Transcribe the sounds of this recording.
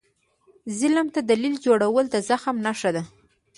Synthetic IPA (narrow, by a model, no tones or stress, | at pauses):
zɪlamt̪ad̪alild͡ʒoɽawəld̪əzaxamnaʂad̪a